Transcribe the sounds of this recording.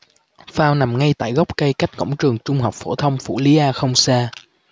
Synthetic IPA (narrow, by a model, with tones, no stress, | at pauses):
faː˧wna˨˩mŋa˧jt̪a̰ː˧˨jɣɔ˦˥k͡p̚kə˧jka˦˥jk̟̚kə̰˧˥wŋ͡mt͡ɕɨ˨˩əŋt͡ɕʊ˧ŋ͡mɦa˨˩wk͡p̚fo˧˩t̪ʰə˧wŋ͡mfṵ˧˩li˨˦ʔaː˧xə˧wŋ͡msaː˧